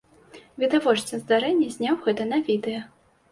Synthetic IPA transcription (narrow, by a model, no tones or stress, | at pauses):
vʲid̪avɔt͡ʂt͡s̪ʲɐzd̪aɾɛnʲːɐzʲnʲawɣɛt̪ɐnavʲid̪ɨjɐ